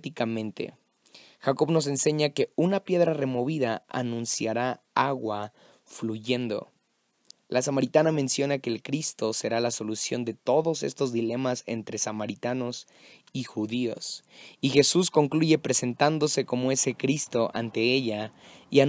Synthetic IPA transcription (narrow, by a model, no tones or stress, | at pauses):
t̪ikamẽ̞nt̪ḛ | xako̞βno̞s̬e̞nse̞ɲake̞unapje̞ðɾare̞mo̞β̞iðaa̰nũnsjaɾaaɣwa | fluʝe̞nd̪o̞̰ | lʔasamaɾit̪anamẽnsjo̞nake̞ːlkɾist̪o̞se̞ɾalaso̞lusjo̞nd̪e̞t̪o̞ðo̞se̞st̪o̞zðile̞mase̞̰nt̪ɾe̞samaɾit̪ano̞s | ixuðio̞̰sixe̞susko̞ŋkluʝe̞pɾe̞se̞nt̪and̪o̞se̞ko̞mo̞e̞se̞kɾist̪o̞ʔa̰nt̪e̞e̞ʝaia